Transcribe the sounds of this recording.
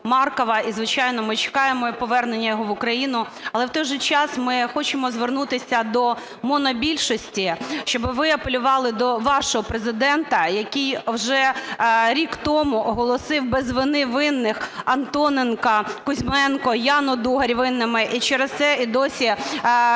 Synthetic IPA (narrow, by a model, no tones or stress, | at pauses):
mɑrkɔʋɐizʋɪt͡ʃɑjnɔmɪt͡ʃɪ̥kɑjemɔpɔʋɛrnenʲːɐjɔɦɔʋʊkɾɐjinʊ | ɐlˠɛwt̪ɔjʒɛt͡ʃɑsmɪxɔt͡ʃɪmɔzʋernut̪ɪsʲɐd̪ɔ | mɔnɔbʲilʲʃɔsʲtʲiʃt͡ʃɔbɪʋɪɐpelʲʊʋɑlˠɪd̪ɔʋɑʃɔɦɔpɾezɪd̪ɛnt̪ɐjɐkʲijwʒɛɾʲikt̪ɔmʊʔɔɦɔlˠɔsɪwbɛzʋɪnɪʋɪnːɪxɐnt̪ɔnenkɐkʊzʲmɛnkɔjɑnɔd̪uɦɐɾʲʋɪnːɐmɪʔit͡ʃɛɾest̪sɛid̪ɔsʲi